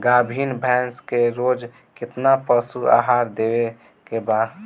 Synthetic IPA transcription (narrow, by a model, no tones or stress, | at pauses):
ɡaːbʱiːnbʱɛːnskeɾoːd͡ʒ | kɪt̪napəsua̰ːɦaːɾd̪ewe | kebaːd̪